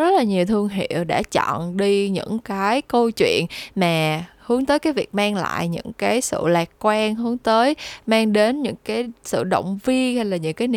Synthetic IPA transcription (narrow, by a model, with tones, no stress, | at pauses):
zə˦˥t̚laː˨˩ɲi˨˩əwt̪ʰɨ˧əŋɦḭ˧˨əwɗa̰ː˧˥t͡ɕɔ̰˧˨nɗi˧ɲɨ̰˧˥ŋkaː˨˦jkə˧wt͡ɕwḭ˧˨ənmaː˨˩hɨ˨˦əŋt̪əː˨˦jkaː˨˦jvi˨˩ək̚maː˧ŋla̰ː˧˨jɲɨ̰˧˥ŋkaː˨˦jsɨ̰˧˨laː˨˩kkwaː˧ŋɦɨ˨˦əŋt̪əː˨˦jmaː˧ŋɗe˨˦nɲɨ̰˧˥ŋkaː˨˦jsɨ̰˧˨ɗo̰˧˨wŋ͡mvi˧əha˧jlaː˨˩ɲɨ̰˧˥ŋkaː˨˦jn˧